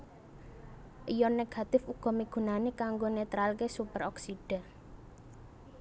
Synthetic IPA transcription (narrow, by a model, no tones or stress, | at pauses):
ʔijɔneɡ̥a̤t̪ɪfuɡ̥ɔ̤miɡ̥ṳnanekaŋɡonet̪ɾalkesupəɾɔksiɖ̥a̤